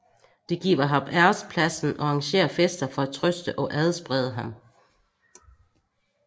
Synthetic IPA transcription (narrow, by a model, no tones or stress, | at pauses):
d̥e̝ɡ̥ḭːɐɦɑ̈bæɐspʰlæsn̩ʔɒ̽ɑ̈ŋɕe̝̰ːɐfesd̥ɐfɒ̽æt͡sʰʁœsd̥əʔɒ̽ʔæð̞ˠsb̥ʁɛð̞ˠəɦɑ̈m